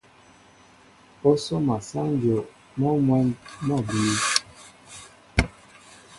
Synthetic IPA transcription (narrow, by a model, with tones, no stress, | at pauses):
o˦so˦ma˨sa˦n˦d͡ʒo˨ | mɔ˦mwɛ˦nmɔ˦˨bi˨˦